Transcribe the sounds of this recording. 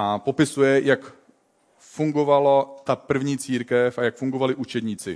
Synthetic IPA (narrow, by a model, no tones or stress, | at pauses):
ʔapo̞pɪsujɛjak | fuŋɡo̞valot̪apr̩vɲiːt͡siːɾkɛfajakfuŋɡovalɪʔut͡ʃɛd̪ɲiːt͡sɪ̰